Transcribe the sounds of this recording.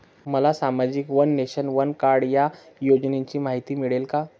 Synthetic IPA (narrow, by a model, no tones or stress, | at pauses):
məlasamad͡ʑikʋənːeɕənʋənkaɾɽja | jod͡ʑneɲt͡ɕiːmaɦit̪iːmiɭelka